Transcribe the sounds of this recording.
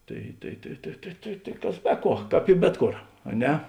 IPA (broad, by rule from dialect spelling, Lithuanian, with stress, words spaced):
ˈtɐɪ tɐɪ tɐɪ tɐɪ tɐɪ tɐɪ tɐɪ ˈkɐs ˈbʲɛ ˌkuɔ ˈkɑːp ɪ ˈbʲɛt ˌkoːr ɐ ˈnʲɛ